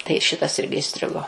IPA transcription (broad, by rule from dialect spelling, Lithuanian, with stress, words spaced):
tɐɪ ˈʃʲɪtɐs ˈɪrʲɡʲɪ ɪˈsʲtʲrʲɪɡoː